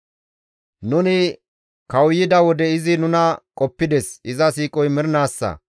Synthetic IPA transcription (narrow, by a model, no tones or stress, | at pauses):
nʊnɪ | kɐwjːɪd̪ɐwɔd̪ɛɪzɪnʊnɐkʼɔpːɪd̪ɛsɪzɐsiːkʼɔjmɪɾnaːsːɐ̰